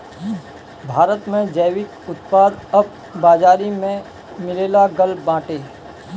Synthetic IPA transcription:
bʱaːɾət̪mẽd͡ʒəjʋɪk | ʊt̪paːd̪ɐb̚ | baːd͡ʒaːɾimẽ | mɪleːlaɡəlbãːʈeː

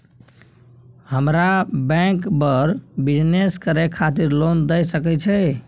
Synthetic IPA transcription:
həmɾabɛ̃kbəɾbid͡ʒneskəɾekʰat̪iɾlond̪ɛjsəkɛt͡ʃʰɛ

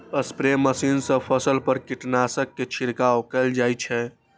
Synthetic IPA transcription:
əspɾeməsiːnsə̃pʰəsəlpəɾkiʈnasəkːet͡ʃʰiɾkaokɛld͡ʒajt͡ʃʰɛ̃

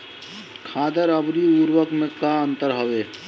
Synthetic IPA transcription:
kʰad̪əɾəbɾiuɾwəkmekaənt̪əɾɦəbe

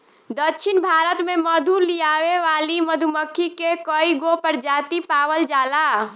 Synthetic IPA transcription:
d̪ətːʃʰinbʱaɾət̪meməd̪ʱulijaʋeʋaliməd̪ʱuməkʰːikekəiɡopəɾd͡ʒat̪ipaʋəld͡ʒala

